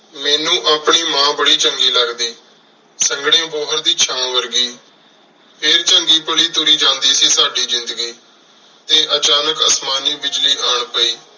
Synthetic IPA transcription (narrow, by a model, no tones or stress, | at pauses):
mɛːnũːʔaːpɳiːmãːbəɽiːt͡ʃəŋɡiːləɡd̪iː | səŋɡɽẽːboːɦəɾd̪iːt͡ʃʰãːʋəɾɡiː | pʰɪɾt͡ʃəŋɡiːpəɽiːt̪ʊɾiːd͡ʒãːnd̪iːsiːsaːɖiːzɪ̃nd̪əɡiː | t̪eːʔət͡ʃaːnəkəsmaːniːbɪd͡ʒliːʔaːɳpəiː